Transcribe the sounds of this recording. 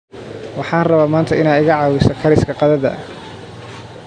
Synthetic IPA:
wɑħɑːnrɐβaːmaːnt̪ʰɐʔɪnaːɪɣɐʕɑːwɪsɔkʰɐɾɪskʰɐqɑðɐðɐ̰

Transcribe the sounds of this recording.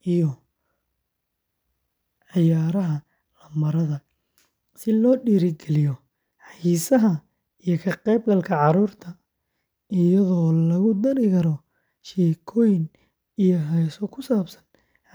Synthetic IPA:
ʔijɔ | ʕɪjaːɾɐɦɐ | lɐmɐɾɐðɐ | sɪlɔːɖiːɾɪɡɛlɪjɔ | ħɑjiːsɐɦɐ | ijɔkʰɐqɛjb̚ɡɐlkʰɐʕɑɾuːrt̪ʰɐ | ɪjɐðɔːlɐɣʊd̪ɐɾɪkʰɐɾɔ | ʃɛːkʰɔːjɪn | ijɔɦɛjsɔkʰʊsaːbsɐ̥n

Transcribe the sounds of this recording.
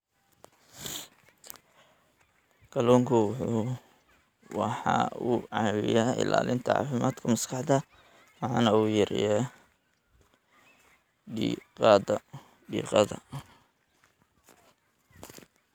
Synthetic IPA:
kʰɐlɔːŋkʰʊwʊħuː | wɑħɑ̰uːʕɑːwɪjaːɪ̰la̰ːlɪnt̪ʰɐʕɑ̰ːfɪmaːd̪kʰɐmɐskʰɑħd̪ɐ | wɑħɑːnɐuːjɐɾɪjɛː | ɖiːqɑːd̪ɐ | ɖiːqɑðɐ̰

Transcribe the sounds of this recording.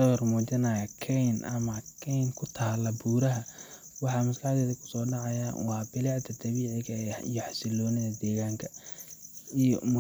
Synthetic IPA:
ɐwɐrmuːt͡ʃɐnɐjɐkʰɛjnɐ̰mɐkʰɛjnkʰʊt̪ʰaːlɐbuːɾɐɦɐwɑħɑːmɐslɑħd̪ɛːðɐkʰʊ̥sɔːɖɑʕɑjawɑːbɪlɛʕd̪ʰɐd̪ɐβiːʕɪɣɐɛijɔħɑsɪlɔːnɪðɐd̪ɛːɣaːŋkʰɐ | ijɔmʊ

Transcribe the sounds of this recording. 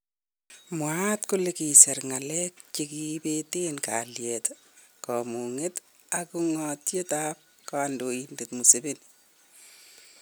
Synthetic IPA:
mwatkʊlekisɛrŋalɛk̚t͡ʃekibetenka̰ljɛt | kɔmuŋet | akuŋɔtjetap̚ | kɔandoindetmuseben

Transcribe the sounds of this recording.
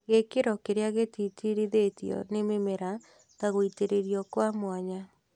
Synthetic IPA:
ɣekeɾɔkeɾeaɣetitiɾiðetjɔ̰nememeɾa | taɣoiteɾeɾiɔkwamwaɲa

